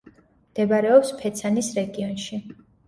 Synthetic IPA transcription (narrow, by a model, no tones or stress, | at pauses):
md̪̥ɛbaɾɛɔpspʰɛt̪sʰanisɾɛɡiɔnʃi